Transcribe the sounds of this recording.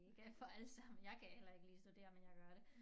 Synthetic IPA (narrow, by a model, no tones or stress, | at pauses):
eɡ̥æfɒ̽ælsɑ̈m̰n̩jɑ̈ɪkʰæhel̰ɐe̝ɡəliːsd̥ud̥e̝̰ːɐmenjɑ̈ɪɡ̥ɶɐɾ̥e̝